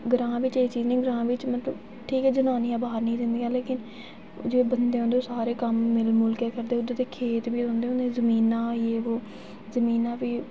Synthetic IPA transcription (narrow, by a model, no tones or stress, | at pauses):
ɡəɾãːʋɪt͡ʃeːiːt͡ʃiːznẽːɡəɾãːʋɪt͡ʃmət̪ləb | ʈʰiːkɛːd͡ʒənaːniːaːbaːəɾnəĩːd̪ɪnd̪iːaːleːkɪn | d͡ʒeeːbənd̪eːɦoːnd̪eːoːsaːɾeːkəmːɪlmʊlkeːkəɾd̪eːʊd̪eːt̪eːkʰeːt̪biːd̪õːnd̪eːɦõːnd̪ezəmiːnãːeːoː | zəmiːnãːbiː